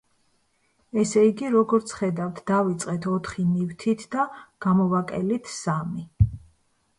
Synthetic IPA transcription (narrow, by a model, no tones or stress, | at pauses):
ɛsɛiɡiɾɔɡɔɾt̪sʰχɛd̪avt̪ʰd̪avit̪sʼqʼɛt̪ʰɔt̪ʰχinivt̪ʰit̪ʰd̪aɡ̥amɔvakʼɛlit̪ʰsami